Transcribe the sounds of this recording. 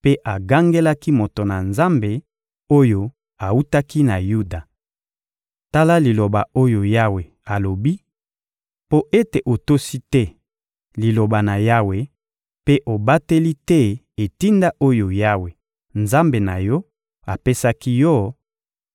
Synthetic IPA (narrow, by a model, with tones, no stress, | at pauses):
pe˦ʔa˨ɡa˦ŋɡe˦la˦ki˦mo˨to˨na˨nza˦mbe˨ | o˦jo˨ | a˨u˦ta˦ki˦na˨ju˦da˨ | ta˦la˦li˨lo˨ba˨o˦jo˨ja˦we˨ | a˨lo˨bi˦ | po˦ʔe˦te˨ʔo˨to˦si˦tɛ˦ | li˨lo˨ba˨na˨ja˦we˨ | pe˦ʔo˨ba˦te˦li˦tɛ˦ | e˨ti˦nda˦ʔo˦jo˨ja˦we˨ | nza˦mbe˨na˨jɔ˦ | a˨pe˦sa˦ki˦jɔ˦